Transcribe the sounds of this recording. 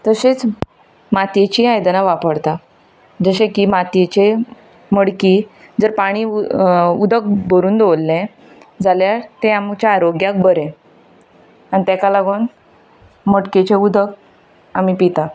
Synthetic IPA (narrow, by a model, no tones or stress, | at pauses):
t̪əset͡s | mat̪jet͡ɕiːajd̪naʋapəɽt̪a | d͡zəɕẽkiːmat̪jet͡ɕe | məɽkiː | d͡zəɾpaɽ̃iː | ud̪ək̚bəɾuːnd̪olːẽ | d͡zaljaɾt̪eamt͡ɕjaːɾoɡjak̚bəɾẽ | añit̪akalaɡuːn | məʈket͡ɕeud̪ʱək | amipit̪a